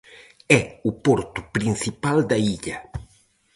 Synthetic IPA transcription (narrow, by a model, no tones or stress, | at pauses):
ɛʊpɔɾt̪ʊ̥pɾinsipald̪ɐiʎɐ